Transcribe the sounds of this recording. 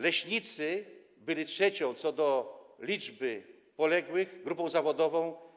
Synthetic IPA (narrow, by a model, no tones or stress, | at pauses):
lɛɕɲit̪sɘ | bɘlʲitʂɛt͡ɕɔ̃w̃t̪sɔd̪ɔlʲid͡ʐbɘ | pɔlɛɡwɘxɡɾupɔ̃w̃zavɔd̪ɔvɔ̃w̃